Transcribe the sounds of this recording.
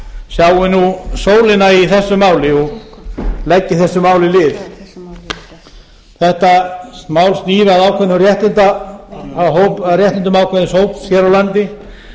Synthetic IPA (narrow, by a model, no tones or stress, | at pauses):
sjawɪnusoːwlɪnaiθɛsːʏmaːwlɪɔɣ | lɛcːɪθɛsːʏmaːwlɪlɪːv | θɛht̪amaːwlst̪niːvɪaðaːwkʰɛnʏrjɛht̪ɪnt̪aaɦowparjɛht̪ɪnt̪ʏmaːwkʰvɛnɪshoːwpsçjɛɾawlant̪ɪ